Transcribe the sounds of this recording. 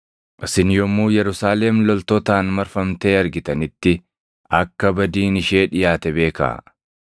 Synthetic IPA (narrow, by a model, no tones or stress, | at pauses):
ʔɪsɪnjɔmːuːjɛɾʊsaːlɛmlɔlt̪ɔt̪aːnmɐɾfɐmt̪e̞ːɐɾɡɪt̪ɐnɪt̪ːɪ | ɐkːɐbɐd̪iːnɪʃe̞ːᶑɪjaːt̪ɛbe̞ːka̰ː